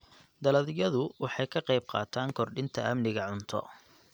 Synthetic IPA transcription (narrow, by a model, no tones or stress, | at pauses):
d̪ɐlɐðɪjɐðʊwɑħɑjkʰɐqɑjb̚qɑ̰ːt̪ʰaːŋkʰɔrɖɪnt̪ʰɐ̰ʔɐmnɪɣɐʕʊnt̪ʰɔ̰